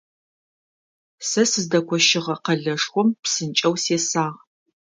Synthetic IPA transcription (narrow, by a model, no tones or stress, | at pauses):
sɐsɨzdɐkʷʰɔʃɪʁɐqɐɮɐʂxʷɔmpsɨnt͡ʃʼɐwseːsaːʁ